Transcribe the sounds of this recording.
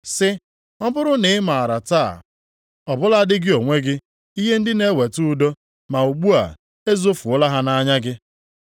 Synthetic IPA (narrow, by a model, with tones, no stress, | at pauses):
sɪ˦ | ɔ˦bʊ˦ɾʊ˦nɪ˨˦ma˨ɾa˨ta̰ː˦˨ | ɔ˨bʊ˦la˦a˦dɪ˦ɡɪ˦o˨ŋʷe˦ɡɪ˦ | i˦ɦe˦n̩˦dɪ˦ne˦we˨tu˦do˦ | ma˨u˨ɡ͡bu˦a̰˨ | e˦zo˦fu˨ʊ˦la˦ɦa˦na˦ɲa˦ɡɪ˦